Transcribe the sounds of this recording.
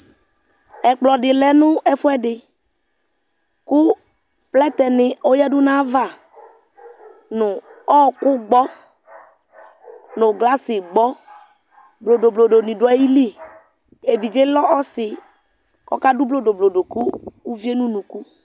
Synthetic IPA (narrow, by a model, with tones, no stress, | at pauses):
ɛ˨k͡plɔ˨ɖɪ˨lɛ˨nʊ̃˦ɛ˨fʊ˦ɛ˦ɖɪ˨ | kʊ˦ | plɛ˦t̪ɛ˨nɪ˨o˦ja˦dʊ˦nã˦va˦˨ | nʊ̃˨ɔ˦˨kʊ˦ɡ͡bɔ˦ | nʊ̃˨ɡla˦sɪ˨ɡ͡bɔ˦ | blo˨do˨blo˨ɖo˨nĩ˨dʊ˨˦a˨ji˦li˦ | e˨vi˨d͡ʒe˦lɔ˦ʔɔ˦sɪ˨ | kɔ̰˦ka˦du˦blo˦do˨blo˨ɖo˨ku˦u˦vi˦e˦nũ˦nũ˨ku˦